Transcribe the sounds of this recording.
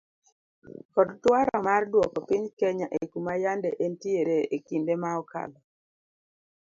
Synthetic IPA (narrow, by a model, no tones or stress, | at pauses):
kɔdtwaɾɔmardwɔkɔpiɲkɛɲaʔekumajandɛʔentieɾeekindemaɔka̰lɔ